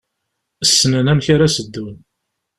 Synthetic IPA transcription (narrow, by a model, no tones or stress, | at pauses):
əsːənənæmçaɾasəd̪ːun